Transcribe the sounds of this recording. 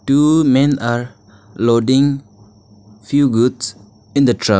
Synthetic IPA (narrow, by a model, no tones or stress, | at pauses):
ʈumẽnaɾ | loɖɪ̃ŋ | fjuɡuds | ɪ̃nd̪əʈʰɾa